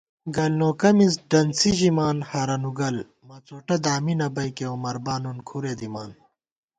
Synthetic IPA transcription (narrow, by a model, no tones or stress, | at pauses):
ɡɐlnoːkɐmis̬ɖɐnsiʑimaːnhaːɾɐnuɡɐl | mɐt͡soːʈɐd̪aːminɐbɐjkeomɐɾbaːnunkʰuɾeːd̪imaːn